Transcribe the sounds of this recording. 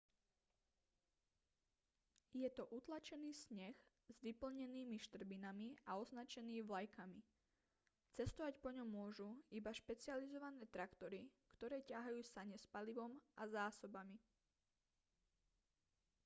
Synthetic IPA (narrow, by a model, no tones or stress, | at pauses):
jɛt̪ɔʔut̪lat͡ʃɛniːsɲɛx | zʋipl̩ɲɛniːmiʃt̪r̩binamiaɔznat͡ʃɛniːʋlajkʰami | t͡sɛst̪ɔʋacpɔɲɔmːʊɔʒuibaʃpɛt͡sɪalizɔʋanɛːt̪ɾakt̪ɔɾikt̪ɔɾɛːcaɦajuːsaɲɛspaliʋɔmazaːsɔbami